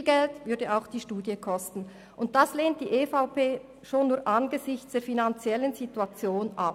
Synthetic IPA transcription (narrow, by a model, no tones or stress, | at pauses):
lɡɛltvʏɐdəʔaʊxd̥iːʃtuːdjəkʰɔstn̩ | ʔʊnt̚d̥asleːnt̚d̥iːʔefaʊpeː | ʃoːnːuːɐʔanɡəzɪçt͡sd̥eːɐfinant͡sjɛlənzituat͡sjoːnʔa